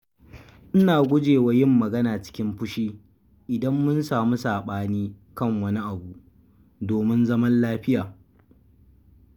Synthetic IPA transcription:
ʔɪ˦naː˨ɡʷʊ˦d͡ʒeː˨wa˦jɪ˦˨mːɐ˨ɡɐ˦naː˨t͡ʃɪ̥˦kʲɪ˦mɸʊ˦ʃiː˦ | ʔɪ˨dɐ˦mːʊ˦nsaː˨mu˦saː˨ɓaː˦niː˦ | kɐ˦˨ŋwɐ˦ni˦ʔa˨bu˨ʔ | doː˨mɪ˦nzɐ˦mɐ˦nlaː˦ɸɪ˦jaː˨

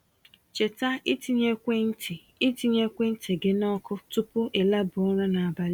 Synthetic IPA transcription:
t͡ʃe˨ta˦i˦ti˨ɲe˦kʷe˦n̩˦tʰi˨ | i˦ti˨ɲe˦kʷe˦n̩˦te˨ɡe˦nɔ˦kʰʊ˦tʊ˦pʊ˦ʔe˨la˦bʊ˨ɔ˦ɾa˦na˨a˨ba˦lɪ˦

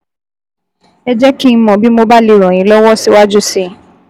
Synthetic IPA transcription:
ɛ˧d͡ʒɛ˦ki˦n̩˧˦mɔ̃˨bi˦mo˧ba˦li˨˧˨ɾ̃ɔ̃˨ĩ˨˦lɔ˦wɔ˦si˦wa˦d͡ʒu˦si˧˨

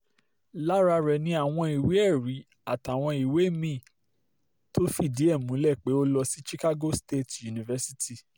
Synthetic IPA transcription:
la˦ɾa˧ɾɛ˨nĩ˧a˨w̃ɔ̃˧i˨we˨˦ɛ˦˨ɾi˨˦ | a˨ta˨w̃ɔ̃˧i˨we˨˦mĩ˦˨ | to˦fi˦˨di˨˦ɛ˦˨mũ˨˦lɛ˦˨k͡pe˨˦o˦lɔ˧si˦ʃi˦ka˦ɡo˦ste˦˨tju˨nĩ˨vɛ˦si˦ti˦˨

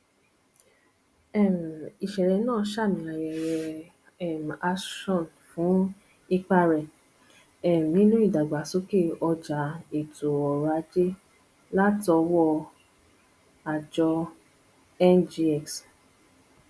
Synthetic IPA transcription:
ɛ˦˨m˨i˨ʃɛ˨ɾɛ˨˧nãː˦˨˧ʃa˦˨mĩ˧˦a˧˨ɾɛ˧˨ɾɛ˧ | ɛ˦˨m˨a˦˧ʃɔ̃˦˨n | fũ˨˦ | i˧k͡pa˧ɾɛ˨ | ɛ˨m˨ĩ˦lũ˦i˦˨da˨ɡ͡ba˨˦so˦ke˦˨ɔ˧d͡ʒa˨˦e˨to˨ɔ˨ɾa˧˦d͡ʒe˦ | la˦tɔ˧wɔ˦˧ | a˨d͡ʒɔ˧ | ɛ˦nd͡ʒi˧ɛ˨ks

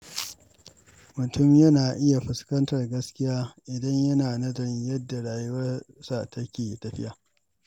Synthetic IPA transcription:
mʊ˨tʰʊ˦mjɐ˦naː˨ʔɪ˦ja˨ɸɪ˨skɐ˦ntɐ˨rɡɐ˦skʲɪ˦jaː˦ʔɪ˨dɐ˦ɲjɐ˦naː˨nɐ˦dɐ˨jɐ˦dːa˨ɽaː˨ju˦wɐ˦rsa˨tɐ˦kʲeː˨tɐ˨ɸɪ̰˦ʔaː˨

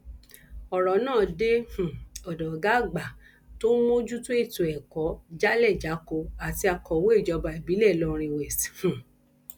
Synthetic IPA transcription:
ɔ˨ɾɔ˨nãː˦˨de˦h̩˨ɔ˨dɔ˨ɡa˦˨ɡ͡ba˨ | to˦mõ˦d͡ʒu˦to˦e˦˨to˨ɛ˨kɔ˨˦d͡ʒa˦lɛ˦˨d͡ʒa˨˦ko˧a˨ti˧a˧kɔ˨wo˦e˦˨d͡ʒɔ˧ba˧i˨bi˨˦lɛ˦˨lɔ̃˦˧ɾ̃ĩ˧we˨si˨hũ˨

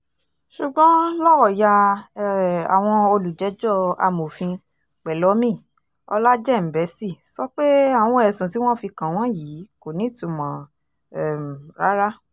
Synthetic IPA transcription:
ʃu˨ɡ͡bɔ̃˦lɔ˦wɔ˦˨ja˧ | a˨w̃ɔ̃˧o˧lu˨d͡ʒɛ˨˦d͡ʒɔ˦˨a̰˧mo˨fĩ˧ | k͡pɛ˨lɔ˨˦mĩ˦˨ | ɔ̰˧la˦d͡ʒɛ˦˨m̩˨bɛ˨˦si˦˨sɔ˦k͡pe˦a˦˨w̃ɔ̃˧ɛ˨sũ˨si˨˦w̃ɔ̃˦˨fi˧kã˨w̃ɔ̃˦ji˨˦ko˨nĩ˨˦tũ˨˧mã˨˦ | ɛ˨m˨ɾa˦ɾa˦

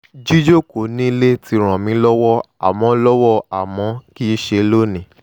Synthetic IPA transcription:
d͡ʒi˦d͡ʒo˦˨ko˨nĩ˦le˦ti˧ɾ̃ã˨mĩ˨˦lɔ˦wɔ˦ | a˨mɔ̃˨˧˦lɔ˦wɔ˦˨a˨mɔ̃˨˦ki˦ʃe˧˦lo˦nĩ˨

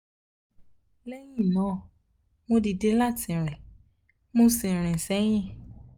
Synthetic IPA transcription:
lɛ˦jĩ˦˨nɔ̃˨˦˨ | mõ˧di˨de˦la˦˨tĩ˨ɾ̃ɛ̃˨ | mõ˦sĩ˨ɾ̃ɛ̃˨sɛ˨˦j̃ĩ˦˨

